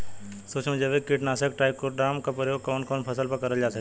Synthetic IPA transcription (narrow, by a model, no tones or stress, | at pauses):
soːt͡ʃmẽd͡ʒəʋekɪʈnaːsəkʈaːɪkoɾɖaːmkapɾəjoːɡ̚kɔːnkɔːnpʰɐsəlpɐɾkɐɾəld͡ʒaːsɐkː